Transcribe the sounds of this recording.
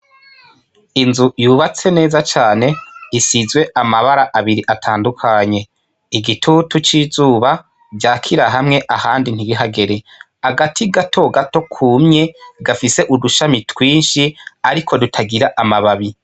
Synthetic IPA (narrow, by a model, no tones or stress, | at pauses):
inzujuːβat͡se̞ne̞ːzat͡ʃaːne̞isizwe̞ʔamaβaɾaʔaβiɾiʔatʰaːndukʰaɲe̞ | iɡitʰutut͡ʃizuːβa | ɟaːkʰiɾaɦamŋe̞ʔahaːndin̥iɡiɦaɡe̞ɾe̞ | aɡatʰiɡatʰo̞ɡato̞kʰuːmɲe̞ɡafise̞ʔuduʃamitwiːnʃiaɾikʰo̞dutʰaɡiɾaʔamaβaβi